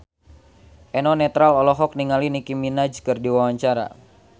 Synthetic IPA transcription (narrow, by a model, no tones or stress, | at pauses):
ʔɛnɔnɛt̪ɾalɔlɔɦɔk̚niŋalinikiminad͡ʒkɨrdiwawaɲt͡ʃaɾa̰